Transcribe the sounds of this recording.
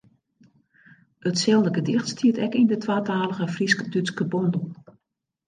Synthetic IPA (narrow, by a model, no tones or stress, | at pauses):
ətsɛlˠdəɡədɪxtstʰiətɛkindətʋaːtaːlˠəɣəfriskədyskəbɔndəl̩ˠ